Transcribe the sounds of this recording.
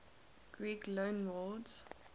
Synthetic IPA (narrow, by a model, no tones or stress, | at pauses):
ɡ̥ɹiːklõʊnwɔdz̥